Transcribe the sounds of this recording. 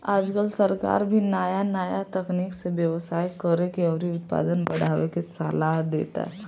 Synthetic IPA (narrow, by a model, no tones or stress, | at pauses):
aːd͡ʒkəlsəɾka̰ːɾbʱinaːjanaːjat̪ɐkniːkseʋjəʋsaːjkəɾekeɔːɾiʊt̪̚pa̰ːd̪ənbɐɽ̤aːʋekesaːlaɦd̪ḛːt̪a̰ɦɛ